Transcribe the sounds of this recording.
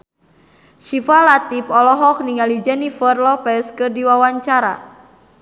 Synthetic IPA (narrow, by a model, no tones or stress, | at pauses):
ʃifalat̪ipɔlɔɦɔk̚niŋalid͡ʒɛnifərlɔpɛskɨrdiwawaɲt͡ʃaɾa̰